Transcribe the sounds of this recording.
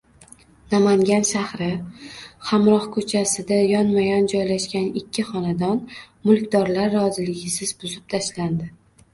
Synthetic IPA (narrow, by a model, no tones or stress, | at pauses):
namaŋɡʲanʃahɾɪ | hamɾɒhkʰɵt͡ʃʰasɪd̪ajɒnmajɒnd͡ʒɒjlaʃkʲanɪkʲʰːɪχɒnad̪ɒn | mʊlˠkʲd̪ɒɾlaɾːɒzɪlɪɡʲɪsɪzbʊzɪp̚t̪ʰaʃland̪ɪ